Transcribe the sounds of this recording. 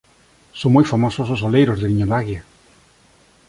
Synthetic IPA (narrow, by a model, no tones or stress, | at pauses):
sõŋmojfamosososolejɾozðeliɲolaɣja